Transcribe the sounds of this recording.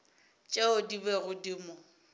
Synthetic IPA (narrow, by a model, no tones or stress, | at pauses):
t͡ʃʼeʊdibɛɣʊdimʊ